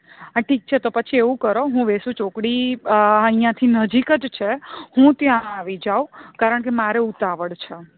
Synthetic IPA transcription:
aʈʰik̚t͡ʃʰet̪opət͡ʃʰieʋũkəɾoɦũʋesũt͡ʃokɽiəĩjãt̪ʰinəd͡ʒikəd͡ʒt͡ʃʰehũt̪jãːʋid͡ʒaukaɾəɳk̬emaɾeut̪aʋəɽt͡ʃʰe

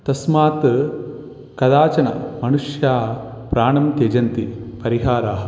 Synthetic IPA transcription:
t̪ɐsmaːt̪ | kɐd̪aːt͡ʃɐnɐ̰mɐnuʂjaːpɾaːɳɐmt̪ed͡ʒɐnt̪ipɐɾiɦaːɾaːɦɐ

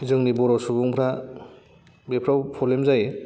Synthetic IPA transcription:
zɯŋnibɔɾɔsubuŋpʰɾa | bepʰɾawpʰɔlemzaj

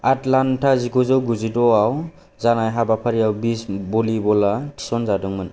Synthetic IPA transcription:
atlantʰaziɡɔzɔwɡuzidɔaw | zanajɦabapʰaɾiawbisbɔlibɔlatʰi̥sɔnzadɔŋmɯn

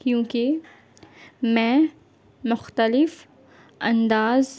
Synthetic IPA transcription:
kjõːke | mɛ̃ | mʊxt̪əlɪf | ɐ̰̃nd̪aːz

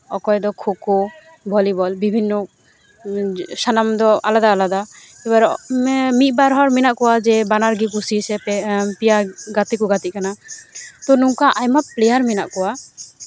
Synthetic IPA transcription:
ɔkɔjd̪ɔkʰokɔ | bʱɔlibɔlbibʱinːɔ | sanamd̪ɔa̰lad̪aːlad̪a | ɛbaɾmit̪̚ˀbaɾɦɔɾminaʔkɔwad͡ʒɛbanaɾɡikusisɛpɛpijaɡat̪ikuɡat̪ikanat̪ɔnuŋkaʔajmaplɛjaɾmina̰ʔkɔwa

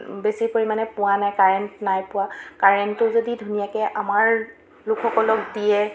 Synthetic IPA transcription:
besipoɹimanɛpʊwanajkaɹɛntnajpʊwakaɹɛntʊzodidʱunijakɛʔamaɹ | lʊkʰːɔkɔlɔkdijɛ

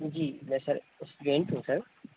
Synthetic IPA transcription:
d͡ʒiːmɛ̃ːsɐɾ | ʊsɡẽːɳʈɦũːsɐɾ

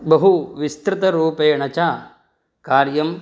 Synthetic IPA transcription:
bɐɦuʋist̪ɾɪt̪ɐɾuːpeːɳɐt͡ʃaː | kaːɾjɐm

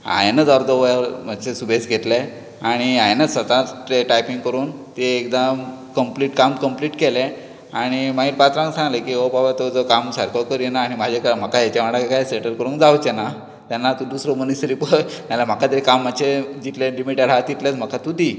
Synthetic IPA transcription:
a̰jnəd͡zɔɾd̪oʋəjməsesubʱet͡sɡʱet̪le | aɽ̃iajnəsət̪aʈeʈajpiŋkəɾuːnt̪eːkd̪amkəmpliːʈkamkəmpliːʈkɛlɛ̃ | aɽ̃imaɡiːɾpat̪ɾãŋksãŋɡlekiɦowbabat̪od͡zɔkamsəɾkokəɾjenaːɽ̃imad͡ʑʱekm̤əkajat͡ɕaʋaɽakajseɳʈəɾkəɾuːnkd͡zawt͡ɕena | t̪anːat̪ud̪usɾomənisəɾipəjmalam̤əkat̪əekamːəd̪ɕed͡ʑit̪lelimiʈaɾɦat̪it̪let͡sm̤əkat̪ud̪ʱi

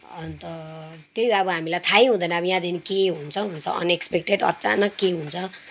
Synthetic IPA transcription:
ʌnt̪ʌ | t̪jeijʌbʌɦamilajt̪ʰajɦũd̪ʌjnaʌbʌjãd̪inikeɦunt͡sʰʌɦunt͡sʰʌ̰ʌ̰nekspek̚ʈeɖʌ̰t͡sa̰nʌkːeɦunt͡sʰʌ

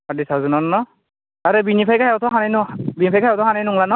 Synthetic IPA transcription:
adisawzɔnɔnɔnɔ | aɾɛbinipʰajkʰajawt̪ʰɔɦananbinipʰajkajawtɔhanajnuŋlanɔ

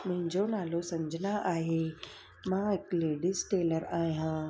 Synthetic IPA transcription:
mʊ̃ɦɪ̃ɲd͡ʑonaːlosɐməd͡ʑʱɪnaʔaːɦe | mãɪkleːɖɪsʈeːləɾaːɦijãː

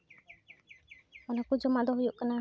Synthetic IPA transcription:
ɔnakud͡ʒɔmad̪ɔɦujuʔkana

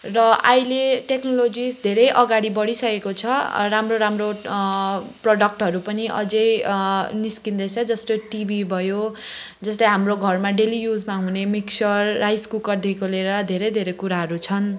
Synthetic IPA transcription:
rʌʌjleʈeknolod͡zisd̪ʱeɾʌjʔʌɡaɽibʌɽisʌkekot͡sʰʌramroɾamro | proɖʌk̚ʈɦʌɾupʌniʔʌ̰d͡zʌjniskind̪esʰʌd͡zʌst̪oʈibʱibʱʌjo | d͡zʌslʌjɦamroɡʱʌrmaɖelijud͡zmaɦunemiksʌrːajskukʌrd̪ʱikoleɾʌd̪ʱeɾʌjd̪ʱeɾʌjkuɾaɦʌɾut͡sʰʌn

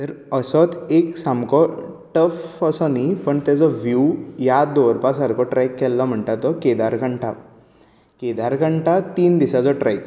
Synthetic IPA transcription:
t̪əɾəsɔt̪eksamkɔʈəfəsɔnipəɳt̪ɛd͡zɔʋjujad̪oɾpasaɾkɔʈɾɛkːɛlːɔm̤əɳt̪at̪ːɔked̪aɾkəɳʈa | ked̪aɾkəɳʈat̪iːnd̪isad͡zɔʈɾɛk

